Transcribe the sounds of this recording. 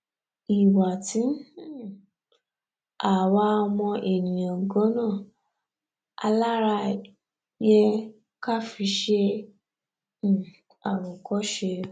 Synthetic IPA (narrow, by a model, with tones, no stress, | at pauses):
i˨wa˨tĩ˨˦˨ | a˨wa˦˧mɔ̃˧ʔe˨nĩ˨j̃ã˨ɡɔ̃˨˦nãː˦˨ | a̰˧la˦ɾa˧ | jɛ˧ | ka˦˨fi˧ʃe˧˨ | a˨ɾɔ̃˨kɔ˦ʃe˧